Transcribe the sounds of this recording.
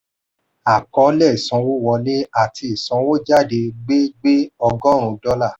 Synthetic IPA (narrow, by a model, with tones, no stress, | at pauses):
a˨kɔ˨˦lɛ˦˨i˨sɔ̃˨˧˦wo˦wɔ˧nĩ˦a˦˨ti˧i˨sɔ̃˨˧˦wo˦d͡ʒa˦˨de˧ɡ͡be˦ɡ͡be˦ɔ˧ɡɔ˦˨ɾ̃ũ˧dɔ˦la˦˨